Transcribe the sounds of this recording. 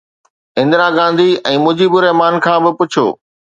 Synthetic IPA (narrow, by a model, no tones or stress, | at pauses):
ɪ̃nd̪ɾaɡãːnd̪ʱiɛ̃ːmʊ̃d͡ʑibɪɾɛɦmaːnkʰãːbɪpʊt͡ɕʰjo̰ː